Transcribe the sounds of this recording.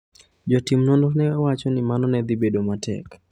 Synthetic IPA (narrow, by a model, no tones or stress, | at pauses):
d͡ʒɔtimnɔndonɛwat͡ʃɔnɪmanɔnɛd̪ibedomatʰɛ̰k